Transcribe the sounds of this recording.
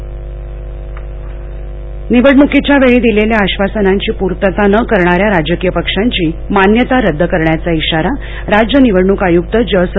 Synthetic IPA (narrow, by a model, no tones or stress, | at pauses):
niʋəɽɳukit͡ɕjaʋeɭiːd̪ileljaːɕʋasənaɲt͡ɕiːpuɾt̪ət̪anəkəɾɳaɾjaɾad͡ʑəkijəpəkʂaɲt͡ɕiːmanjət̪aɾəd̪ʱːəkəɾɳjat͡saiɕaɾa | ɾad͡ʑjəniʋəɽɳukajukt̪əd͡ʑəsə